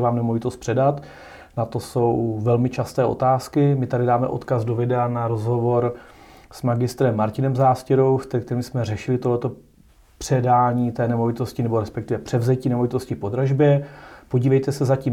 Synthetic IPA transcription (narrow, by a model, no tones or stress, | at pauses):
vaːmnɛmovɪt̪ost̪̚pr̥ɛdat̪ | nat̪o̞so̞wvɛlmɪt͡ʃast̪ɛːʔo̞̰t̪aːskɪmɪt̪adɪdaːmɛ̰ʔo̞̰t̪kazdo̞vɪdɛanaɾo̞zɦo̞vo̞ɾ | smaɡɪst̪ɾɛmːaɾcɪnɛmzaːscɪɾowft̪ɛkt̪ɛɾimsmɛr̝ɛʃɪlɪt̪oɦlɛt̪o̞ | pr̥ɛdaːɲiːt̪ɛːnɛmo̞vɪt̪o̞scɪnɛbo̞ɾɛspɛkt̪ɪvɛpr̥ɛvzɛciːnɛmo̞vɪt̪o̞scɪpo̞d̪ɾaʒbjɛpo̞ɟiːvɛjt̪ɛsɛzaciː